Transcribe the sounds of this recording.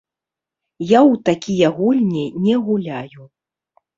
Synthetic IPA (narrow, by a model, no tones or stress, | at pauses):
jawt̪akʲijɐɣulʲnʲɛnʲɛɣulʲaju